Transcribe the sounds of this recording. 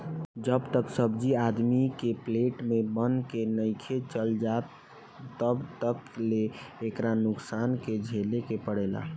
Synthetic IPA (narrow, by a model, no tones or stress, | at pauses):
d͡ʒəbt̪əksəbd͡ʒiad̪mikepleʈmebənkenəɪkʰet͡ʃəld͡ʒat̪ː | əbt̪əkleːkɾanʊksanked͡ʒʱelekepəɽɛla̰